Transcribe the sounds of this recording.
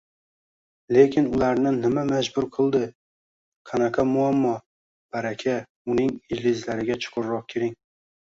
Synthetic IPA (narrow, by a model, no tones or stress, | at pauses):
lekʲɪnʊlaɾnɪnɪmamad͡ʒbʊɾqʰɨlˠd̪ɪ | kʰanakʰamʊamːɒ | b̥aɾakʲʰa | ʊnɪŋɪd͡ʒlɪzlaɾɪɡʲat͡ʃʰʊ̥qʰʊɾɾɒq̚kʲʰeɾɪŋ